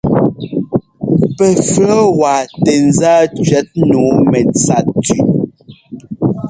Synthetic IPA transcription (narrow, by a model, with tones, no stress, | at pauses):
pɛ˨fə˦wa˨tɛ˨n̩˨zaː˦t͡ʃɥɛ˨˦t̚nuː˨˦mɛ˨t͡sa˦˨t̚ti˨